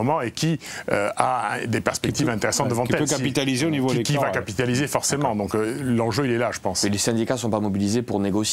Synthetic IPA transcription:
mɑ̃ekʲʰiøaɛd̪epɛʁspɛkk̚t̪ivɛ̃t̪eʁesɑ̃t̪̚d̪əvɑ̃tkiɛlpøkapit̪alizeonivolekivakapit̪alizefɔʁsemɑ̃d̪ɔ̃klɑ̃ʒøilɛlaʒəpɑ̃slesɛ̃d̪ikasɔ̃pamɔbilizepuʁneɡɔs

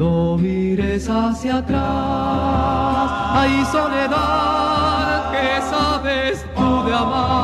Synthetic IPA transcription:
omiɾesasjat̪ɾa | sajsoneða | ðkesaβest̪ud̪eama

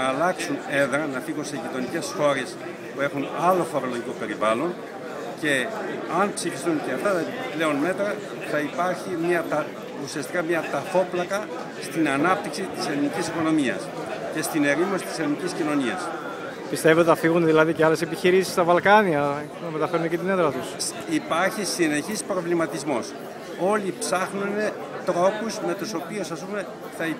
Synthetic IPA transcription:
ɐːlɐksune̞ðɾɐnɐfiɣunse̞ʝit̪o̞nice̞sxo̞ɾe̞s | pue̞xunɐlo̞fo̞ɾo̞lo̞ʝikope̞ɾivɐlo̞n | ce̞ɐnpsifist̪unceɐft̪ɐt̪ɐiple̞o̞nme̞t̪ɾɐ | θɐipɐɾçimɐt̪ɐ | usiɐst̪ikɐmɲɐt̪ɐfo̞plɐkɐ | st̪inɐnɐp̚t̪iksit̪ise̞θnicisiko̞no̞miɐ̰s | ce̞st̪ine̞ɾimosi̥t̪i̥se̞θniciscino̞niɐ̰s | pist̪eveot̪eɐfiɣunðilɐðiceɐle̞sepiçiɾisi̥st̪ɐvɐlkɐniɐ | nɐmet̪ɐfeɾunecit̪ineðɾɐt̪us | ipɐɾçisine̞çispɾo̞vlimɐt̪izmo̞̰s | o̞lipsɐxnune̞ | t̪ɾo̞kuzme̞t̪uso̞piosɐspume̞ | θɐi

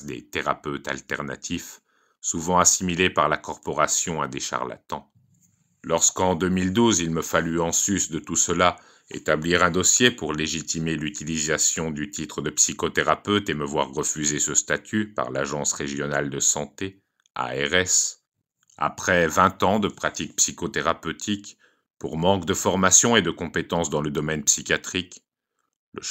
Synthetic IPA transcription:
d̪ḛt̪eʁapøt̪a̰lt̪ɛʁna̰t̪ʰif | suvɑ̃asimilepaʁlakɔʁpɔʁasjɔ̃ãd̪eʃa̰ʁla̰t̪ɑ̃ | lɔʁskɑ̃d̪ømild̪uzilməfalyɑ̃sysd̪ət̪usəla | ḛt̪abliʁɛ̃d̪ɔsjepuʁleʒit̪imelyt̪ilizasjɔ̃d̪yt̪it̪χəd̪əpsikɔt̪eʁapøt̪eməvwa̰ʁːəfyzesəst̪at̪ʰypa̰ʁla̰ʒɑ̃sʁeʒjɔnald̪əsɑ̃t̪e | a̰ɛʁɛs | a̰pχɛvɛ̃t̪ɑ̃d̪əpχat̪ik̚psikot̪eʁapøt̪ʰik | puʁmɑ̃kd̪əfɔʁmasjɔ̃ed̪əkɔ̃pet̪ɑ̃sd̪ɑ̃ləd̪ɔmɛnpsikʲjat̪χik | lə̰

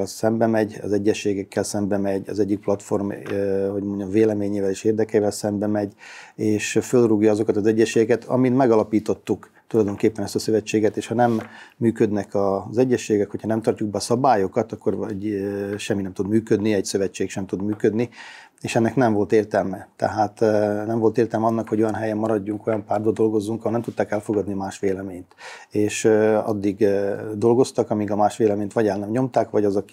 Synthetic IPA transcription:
ɛlsɛmbɛmɛɟɒ̰zɛɟːɛʃːeːɡɛkːɛlsɛmbɛmɛɟɒ̰zɛɟːik̚plɒt̪fo̞rmɦo̞ɟmo̞ɲɒmveːlɛmeːɲeːvɛleːʃeːrd̪ɛkɛːvɛlsɛmbɛmɛɟeːʃfølruɡjɒɒzo̞kɒt̪ɒzɛɟːɛʃeːɡɛkɛt̪ʰɒ̰minmɛɡɒlɒpiːt̪o̞t̪ːuk | t̪ulɒjd̪o̞ŋkeːpːɛnɛst̪ɒsø̞vɛt͡ʃːeːɡɛt̪eːʃhɒnɛmːyːkød̪nɛkɒzɛɟːɛʃːeːɡɛkhocʰhɒnɛmt̪ɒrcuɡ̚bɛɒsɒbaːjo̞kɒt̪ɒkːo̞rɟʃɛmːinɛmt̪ud̪myːkød̪niɛɟsø̞vɛt͡ʃːeːkʃɛmt̪ud̪myːkød̪ni | eːʃɛnːɛknɛɱvo̞lt̪eːrt̪ɛlmɛt̪ɛ̰ɦaːt̪nɛɱvo̞lt̪eːrt̪ɛlmɛɒnːɒkhoɟojɒnɦɛjɛmːɒɾɒɟːuŋko̞jɒmpaːrd̪̚bɒd̪o̞lɡo̞zːuŋkɒɦolnɛmt̪ut̪ːaːkɛlfo̞ɡɒd̪niɒmaːʃʋeːlɛmeːɲt̪eːʃɒ̰d̪ːiɡd̪o̞lɡo̞st̪ɒkɒmiɡɒmaːʃʋeːlɛmeːɲt̪ʋɒɟɛlnɛmɲo̞mt̪aːkʋɒɟɒzɒk

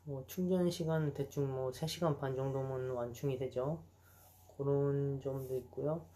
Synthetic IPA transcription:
mʌt͡ɕʰuŋd͡ʑʌnɕʰiɡanɯnte̞t͡ɕ͈ʰuŋmʌsʰe̞ɕʰiɡanpand͡ʑʌŋdomɯnwant͡ɕʰuŋidwe̞d͡ʑo | kʌɾʌnd͡ʑʌmdoit̚k͈ujo

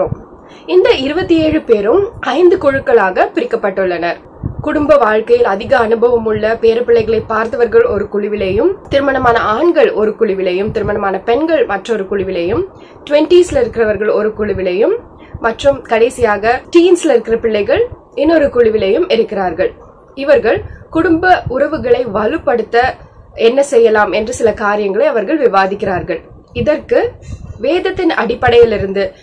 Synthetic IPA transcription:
m | ɪnd̪ɐɪɾɯbɐt̪ːieːɻɯpeːɾɯmʔɐɪnd̪ɯkɔɻɯkːɐɭaːɣɐpɪɾɪkːɐpːɐʈːɯɭːɐnɐɾ | kʊɽʊmbɐʋaːɻkɐjɪlɐðɪɣɐːnɯbɐʋɐmɯɭːɐpeːɾɐpɪɭːɐɪɣɐɭɐɪpːaːɾt̪ɐʋɐɾɣɐɭɔɾɯkʊɻɪʋɪlɐjɯmt̪ɪɾɯmɐɳɐmaːnɐaːɳɡɐɭɔɾɯkʊɻɪʋɪlɐjɯmt̪ɪɾɯmɐɳɐmaːnɐpɛnɡɐɭmɐʈrɔɾɯkʊɻɪʋɪlɐjɯm | ʈʊʋɛɳʈislɐɪɾɯkːɪrɐʋɐɾɣɐɭɔɾɯkʊɻɪʋɪlɐjɯmː | ɐʈrɯmkɐɽeːsɪjaːɣɐʈiːnslɐɪɾɯkːɪrɐpɪɭːɐɪɣɐɭ | ɪnːɔɾɯkʊɻɪʋɪlɐjɯmɪɾɯkːɪɾaːɾɣɐɭ | ɪʋɐɾɣɐɭkʊɽʊmbɐʊɾɐʋɯɣɐɭɐɪʋɐɻɯpːɐɽɯt̪ːɐ | ɛnːɐsɛjːɐlaːmɛndrɯsɪlɐkaːɾɪjɐŋɡɐɭɐɪɐʋɐɾɣɐɭʋɪʋaːðɪkːɪraːɾɣɐɭ | ɪðɐrkɯʋeːðɐt̪ːɪnɐɽɪpːɐɽɐjɪlɪɾɯnd̪ɯ

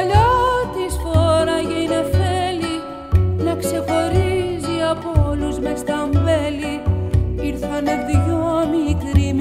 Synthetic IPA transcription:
ʎɐt̪isfoɾɐʝɐine̞feli | nɐkse̞xo̞ɾiziɐpoluzmest̪ɐɱveli | iɾθɐne̞ðʝomikɾimi

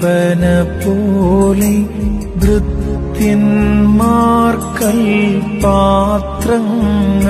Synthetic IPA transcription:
pɐnɐpolɐ | ʋɾʊtt̪ː | ɪnmaːɾkɐɭpaːt̪ɾɐŋ

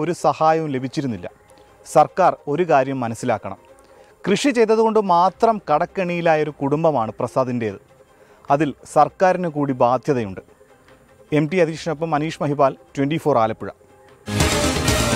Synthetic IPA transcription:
o̞ɾusɐhaːjɐʋumle̞bʱit͡ɕːiɾunːilːɐ̰ | sɐrkaːro̞ɾukaːɾjɐmːɐnɐsːilaːkːɐɳɐ̰m | krɨʂit͡ɕe̞jt̪ːɐðuɣo̞ɳɖɨmaːt̪rɐmkɐɽɐkːeɳijilaːjɐo̞ɾukuɽumbɐmaːɳɨprɐsaːd̪inde̞ːðɨ | ɐðilsɐrkaːɾinekuːɽibaːd̪ʱjɐðɐjuɳɖɨ | e̞mɖiɐd̪ʱiːʂɐnɐpːɐmːɐniːʂmɐɦibaːltwenɖifo̞ːraːlɐpːiɻɐ̰

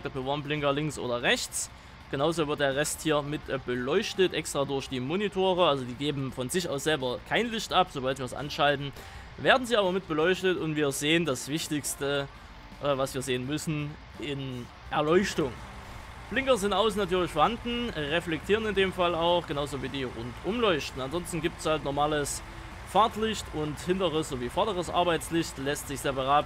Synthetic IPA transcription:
ɡatmɪvaɐmplɪŋkɐlɪŋsʔo̰ːdɐʁɛçt͡s | ɡ̥ənaʊzoːvɪɐt̚d̥eːɐʁɛsthiːɐmɪtbəlɔʏçtətʔɛkstʁ̥aːdʊɐçd̥iːmonitʰoːʁəalzodiːɡeːbm̩fɔnzɪçʔaʊsz̥ɛlbɐkʰaɪnlɪçtʔapz̥obaltviːɐsʔa̰nʃaltn̩ | veːɐdn̩ziːʔaːbɐmɪt̚b̥əlɔʏçtətʊntv̥iːɐzeːəndasv̥ɪçtɪçstə | ʔvasv̥iːɐzeːənmʏsn̩ | ʔɪn | ʔɛɐlɔʏçtʊŋ | flɪŋkɐzɪntʔaʊsn̩atyːɐlɪçfɔɐhandn̩ʁɛflɛk̚tʰiːʁənɪndeːmfalaʊxɡ̥ənaʊzoviːdiːʁʊntʔʊmlɔʏçtn̩anzɔnstn̩ɡiːp̚tshaltnɔɐmaːləs | faɐtlɪçtʰʊnthɪntəʁəsz̥oːviːfɔɐdəʁ̞əsʔa̰ɐbaɪt͡slɪçtlɛstz̥ɪçz̥eːbɐʁap

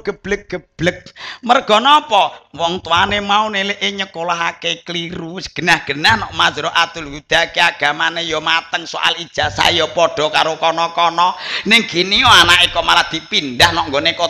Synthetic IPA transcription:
ɡ̥ə̤b̥lək̚ɡ̥əb̥lək̚mərɡ̥ɔ̤nɔpɔwɔŋt̪uanemauneleʔeɲəkolaɦakekliɾusɡ̥ə̤nahɡ̥ə̤nahnɔʔmad͡ʒɾoʔat̪ʊlwud̪̥akeaɡ̥a̤manejɔmat̪əŋso̰ʔa̰lid̥ʒ̥asa̰jɔpɔɖ̥ɔ̤kaɾokɔnɔkɔnɔnɪŋɡ̥iniɔanaʔikɔmalahd̪̥i̤pind̪ahnɔʔŋɡoneko

